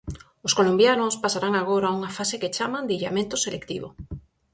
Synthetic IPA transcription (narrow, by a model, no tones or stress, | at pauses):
oskolombjanospasaɾaŋaɣ̞oɾauŋafaseket͡ʃamãnd̪iʎamẽnt̪oselekt̪ḭβo̰